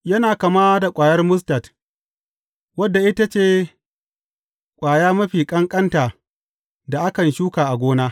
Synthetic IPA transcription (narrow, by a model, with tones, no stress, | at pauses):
jɐ˦naː˨ka˨maː˦da˨kʷʼaː˨jɐ˦rmʊ˦s̬tɐ˨t | wɐ˦dːa˨ʔɪ˦ta˦t͡ʃeː˦˨ | kʷʼaː˨jaː˦mɐ˦ɸiː˨kʼɐ˦ŋkʼɐ˦ntaː˨ | da˨ʔa˦kɐ˨nʃuː˦kaː˨ʔa˨ɡʷoː˦naː˦